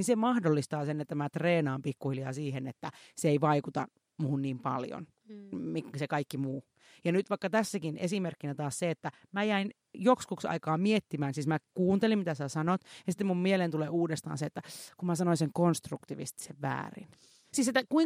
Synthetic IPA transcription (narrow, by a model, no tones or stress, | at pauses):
ninsemɑhdolːist̪ɑːsenːet̪ːæmæt̪reːnɑːmpikːuhiljɑːsiːhenet̪ːæseeiʋɑikut̪ɑ̰ | muhunniːmpɑ̰ljo̰n | miksekɑikːimuː | jɑnyt̪ʋɑikːɑt̪æsːækinḛsimerkːinæt̪ɑːsseet̪ːæ | mæjæin | jokskuksɑ̰ikɑːmiet̪ːimæːnsiːsmækuːnt̪elimit̪æsæsɑnot̪jɑsi̥t̪ːemummielent̪uleːuːdest̪ɑ̰ːnseet̪ːækumæsɑnoiseŋkonst̪rukt̪iʋḭst̪i̥seʋʋæ̰ːrḭn | siːset̪ːækui